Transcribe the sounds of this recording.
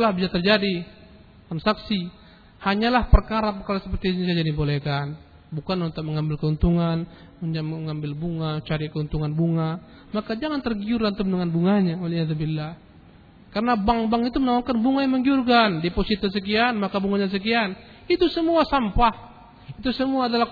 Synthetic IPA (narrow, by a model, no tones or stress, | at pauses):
lahbisat̪ərd͡ʒadi | tamsaksi | haɲalahpərkaɾapəkaɾasəpərt̪iɲas̬ad͡ʒadibolehkan | bukanunt̪uk̚məŋambɪlkəunt̪uŋan | uɲaməŋambɪlbuŋat͡ʃaɾikəunt̪uŋanbuŋa | makad͡ʒaŋant̪ərɡiurɡant̪umdəŋanbuŋaɲawalijaðubilːah | karənabaŋbaŋit̪umənawaŋkanbuŋajaŋməŋɡiurkandiposit̪as̬ək̬ianmakabuŋaɲas̬ək̬ian | it̪usəmuasampah | it̪usəmuaːdala